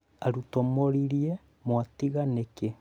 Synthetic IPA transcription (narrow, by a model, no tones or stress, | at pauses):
aɾutomoɾiɾie | mwatiɣaneke